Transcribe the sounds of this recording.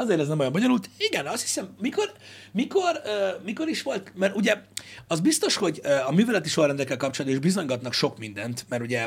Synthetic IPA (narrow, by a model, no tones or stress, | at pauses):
ɒzeːɾɛznɛmojɑmboɲonult̪iɡɛnɒst̪hi̥sɛmmiko̞r | miko̞røːmiko̞ɾiʃʋo̞lt̪mɛɾuɟɛɒzbist̪o̞ʃho̞ɟøɒmyːvɛlɛt̪iʃolrɛnd̪ɛlkɛlkɒp̚t͡ʃolɒd̪oiʒbizo̞ɲɡɒt̪nɒkʃo̞kmind̪ɛnt̪mɛɾuɟɛ